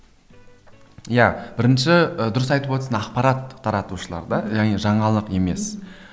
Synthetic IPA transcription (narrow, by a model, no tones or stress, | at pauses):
jab̥ɪɾɪnʃɪəd̪ʊɾəsɑjt̪əpwot̪əsɑnɑqpɑɾɑt̪ʰːɑɾɑt̪uʃəlˠɑ̰ɾd̪ɑɑʁneʒɑɴɑlˠəqe̞me̞s